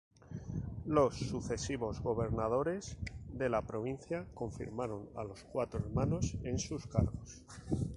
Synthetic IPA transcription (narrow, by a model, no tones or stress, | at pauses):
lo̞sːuθe̞siβo̞zɣo̞βe̞ɾnað̞o̞ɾe̞zðe̞lapɾo̞βinθjako̞ɱfḭɾmaɾo̞na̰lo̞skwat̪ɾoeɾmano̞se̞nsuskaɾɣo̞s